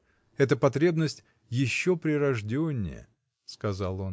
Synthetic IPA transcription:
ɛt̪əpɐt̪ɾʲe̞bnəsʲtʲ | jɪɕːopɾʲɪɾɐʐdʲonʲːɪ̰jə̰ | skɐzalˠo̞n

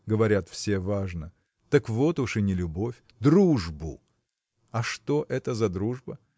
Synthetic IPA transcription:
ɡəvɐɾʲat̪fsʲe̞vaʐnə | t̪əkvo̞t̪ʊʂɨnʲɪlʲʊbo̞fʲ | d̪ɾuʐbʊ̰ | ɐʂt̪o̞ʔɛt̪əzɐd̪ɾuʐbə

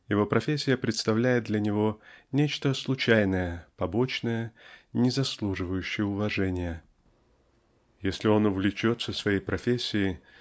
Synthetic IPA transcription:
jɪvo̞pɾɐfʲesʲːɪjəpɾʲɪt̪st̪ɐvlʲæjɪt̪̚d̪lʲənʲɪvo̞nʲet͡ɕt̪əslˠʊt͡ɕæjnəjəpɐbo̞t͡ɕnəjənʲɪzɐslˠuʐɨvəjʉɕːɪjəʊvɐʐɛnʲɪjə | jesʲlʲɪo̞nʊvlʲɪt͡ɕo̞t̪səsvɐjejpɾɐfʲesʲːɪjɪ

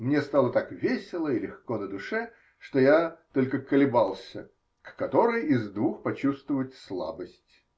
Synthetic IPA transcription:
mnʲest̪alˠət̪akvʲesʲɪlˠəɪlʲɪxkonəd̪ʊʂɛ | ʂt̪o̞jat̪o̞lʲkəkəlʲɪbalˠsʲə | kːɐt̪o̞ɾəjɪzd̪vuxpɐt͡ɕust̪vʊvtʲslˠa̰bəsʲtʲ

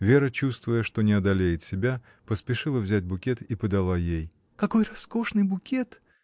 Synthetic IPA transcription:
vʲe̞ɾət͡ɕust̪vʊjəʂt̪o̞nʲɪɐd̪ɐlʲejɪt̪sʲɪbʲa | pəspʲɪʂɨlˠəvzʲæt̚ʲbʊkʲet̪ipəd̪ɐlˠajej | kɐko̞jrɐsko̞ʂnɨjbʊkʲet̪

